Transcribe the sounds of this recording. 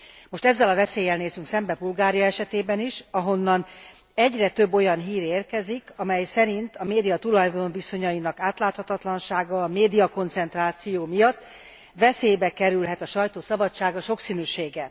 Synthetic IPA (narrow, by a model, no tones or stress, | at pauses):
mo̞ʃt̪ɛzːɛlɒvɛseːjɛlneːzyŋksɛmbɛbulɡaːɾijɒɛʃɛt̪eːbɛniʃɒɦo̞nːɒn | ɛɟrɛt̪ø̞bːo̞jɒnɦiːɾeːrkɛzikɒmɛjsɛɾint̪ɒmeːd̪ijɒt̪ulɒjd̪onviso̞ɲɒjinɒkaːt̪laːt̪hɒt̪ɒt̪lɒnʃaːɡɒːmeːd̪ijɒko̞nt̪sɛnt̪raːt̪sijoːmijɒt̪ː | ʋɛseːjbɛkɛɾylɦɛt̪ɒʃɒjt̪oːsɒbɒt͡ʃːaːɡɒʃo̞ksinyːʃeːɡɛ